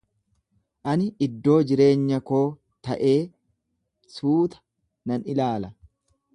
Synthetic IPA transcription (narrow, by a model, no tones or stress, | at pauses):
ʔɐnɪɪd̪ːo̞ːd͡ʒɪɾe̞ːɲːɐko̞ː | t̪ɐʔe̞ː | suːt̪ɐ̥ | nɐnɪlaːlɐ